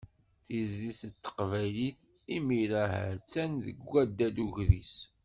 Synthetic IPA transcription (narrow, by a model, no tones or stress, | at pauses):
θizlisət̪ːə̥qvæjliθ | imiɾaɦæ̰t͡sːænðə̰ɡʷːæd̪ːæd̪uʝðis